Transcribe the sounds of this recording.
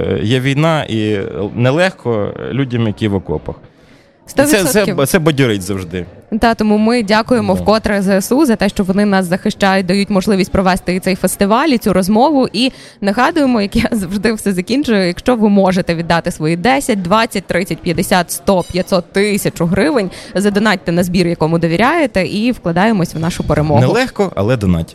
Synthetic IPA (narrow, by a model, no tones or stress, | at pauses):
jɛʋʲijnɑʔḭnɛlˠɛxkɔlʲudʲɐmjɐkʲiʋɔkɔ̰pɐ̰x | st̪ɔʋʲisɛsɔsɛisɛbɔdʲiɾɪtʲzɐwʒd̪ɪd̪ɑt̪ɔmumɪdʲakʊjemɔwkɔt̪ɾɐzɛesuzɐt̪ɛʃt͡ʃɔʋɔnɪnɑszɐxɪʃt͡ʃajʊt̚ʲd̪ɐjutʲmɔʒlˠɪʋʲisʲtʲpɾɔʋɛst̪ɪt̪sɛjfest̪ɪʋɑlʲit͡sʲuɾɔzmɔʋʊʔi | nɐɦɑd̪ʊjemɔjɐkjazɐwʐd̪ɪwsɛzɐkʲinʲt͡ʃʊjɛjɐkʃt͡ʃɔʋɪmɔʒet̪ɛʋʲid̪ːɑt̪ɪsʋɔjid̪ɛsʲɐt̚ʲd̪ʋɑt͡sʲːɐt̚ʲt̪ɾɪt͡sʲɐtʲpʲjɐd̪esʲat̪st̪ɔpʲjɐt̪ʲsɔt̪ːɪsʲɐt͡ʃʊɦɾɪʋɪnʲzɐd̪ɔnɑt̚ʲt̪ɛnɐzbʲiɾjɐkɔmʊd̪ɔʋʲiɾʲajet̪ɛʔiwklˠɐd̪ɑjemɔsʲʋnɑʃʊpeɾemɔnɛlˠɛxkɔɐ̰lˠɛd̪ɔnɑ̰tʲ